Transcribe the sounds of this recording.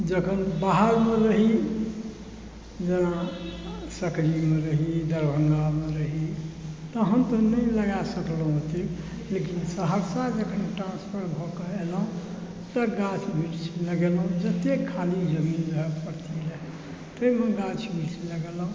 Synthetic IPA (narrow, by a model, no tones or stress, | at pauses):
d͡ʒəkʰənbaɦəɾmeɾəɦi | d͡ʒena | səklimeɾəɦid̪əɾbʱəŋɡalmeɾəɦit̪ɔɦəmt̪ɔnəiləɡasəkləɦot̪i | lekinsəɦəɾsad͡ʒəkʰənʈɾãnspʰəɾbʱɔkeeləɦũ | t̪əɡat͡ʃʰbiʈt͡ʃʰləɡeləɦũd͡ʒət̪ekʰalid͡ʒəmind͡ʒəɦəpəɾt̪ʰiləɦi | t̪əimeɡat͡ʃʰmiʈsʰləɡeləɦ